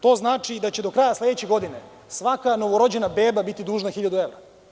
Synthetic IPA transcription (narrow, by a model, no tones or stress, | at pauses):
t̪o̞ːznaːt͡ʂid̪at͡ɕed̪o̞kɾajaslˠe̞d̪et͡ɕeɡo̞d̪ine | sʋakano̞ʋo̞ɾo̞d͡ʑenabe̞ːbabit̪id̪uːʒnaxiʎad̪ueʋɾa